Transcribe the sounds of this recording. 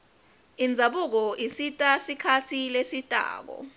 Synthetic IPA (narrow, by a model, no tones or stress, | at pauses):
ind͡zʱaɓuk̬ɔisitʼasikʰatʰilesitʼa̰ːk̬ɔ̰